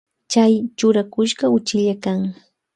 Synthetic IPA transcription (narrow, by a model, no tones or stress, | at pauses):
t͡ʃajt͡ʃʊɾakʊʃɢɑʊt͡ʃɪʎakaŋ